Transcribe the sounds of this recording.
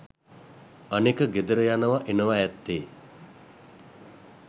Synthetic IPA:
ənekəɡed̪əɾəjanəʋaʔenəʋajɛt̪ːeː

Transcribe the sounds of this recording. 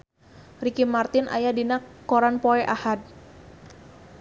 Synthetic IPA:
rikimart̪ɪnʔa̰jadinakɔɾanpɔɛʔahad̚

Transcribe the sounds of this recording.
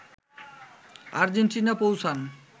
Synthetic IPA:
a̰ɾd͡ʑeɳʈinapowsʰan

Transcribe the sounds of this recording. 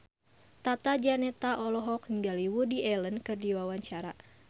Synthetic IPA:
t̪at̪ad͡ʒanɛt̪aʔɔlɔɦɔk̚niŋɡaliwudiʔɛlənkɨrdiwawaɲt͡ʃaɾa

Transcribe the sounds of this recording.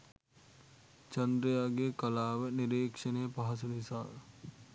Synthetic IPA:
t͡ʃɐnd̪ɾəjaːɡeːkɐlaːʋəniɾeːkʂəneːpaɦɐs̬unisaː

